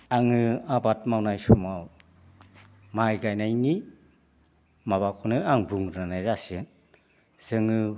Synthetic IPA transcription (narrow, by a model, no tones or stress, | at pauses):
aŋɯabat̚mawnajsumaw | majɡajnajni | maβakʰɔnɯaŋbuŋɾnanajzasɯn | z̥ɯŋɯ